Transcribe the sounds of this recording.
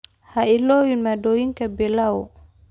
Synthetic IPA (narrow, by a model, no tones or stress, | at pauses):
hailɔwinmadowiŋkabelao